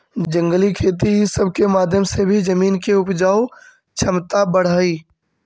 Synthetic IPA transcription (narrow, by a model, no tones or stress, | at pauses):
d͡ʒə̃ŋɡəlikʰeːt̪̬isəb̚ʱkemaːd̪ʱjəmsebʱid͡ʒəmiːnkeʊpd͡ʒaːo | t͡ʃʰəmt̪abəɽ̤əːi